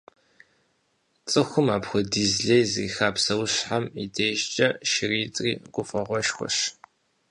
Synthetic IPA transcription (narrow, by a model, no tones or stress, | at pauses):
t͡sʼɨxʷʊmaːpxʷʊdizɮejziːxaːpsɐwɕħamḭdeːʒt͡ʃʼɐʃɪriːt͡sʼriːɡʷʼʊfʼɐʁʷɔʃxʷɔ̰ɕ